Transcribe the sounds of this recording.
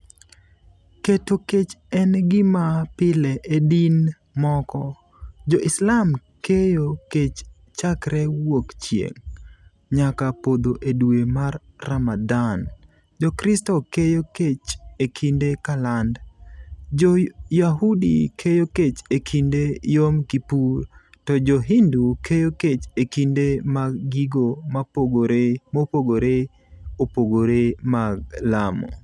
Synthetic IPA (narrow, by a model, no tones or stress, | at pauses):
ketoket͡ʃɛnɡɪmapɪlɛʔedin | mɔkɔ | d͡ʒɔʔɪslamkejoket͡ʃ | t͡ʃakɾɛwokt͡ʃjḛŋ | ɲakapod̪oʔedwemarːamadan | d͡ʒɔkɾɪstɔkejoket͡ʃekʰindekaland | d͡ʒojaɦudikʰejoket͡ʃekʰindejomkipur | tɔd͡ʒɔɦindukʰejoket͡ʃekindemaɡiɡomaoɡɾmopoɡoɾe | opoɡoɾemaɡlamɔ̰